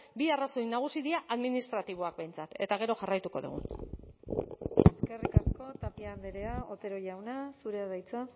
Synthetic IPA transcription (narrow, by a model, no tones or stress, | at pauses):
biarasojnaɣ̞usiðiaʔaðminist̪ɾat̪iβ̞o̞ak̚be̞jnt͡sat̪e̞t̪aɣ̞e̞ɾo̞ʝarajt̪uko̞ðṵɣ̞ṵn | e̞ske̞rikasko̞t̪apiaːnd̪eɾeao̞t̪e̞ɾo̞ʝawnasuɾe̞aðajt͡sa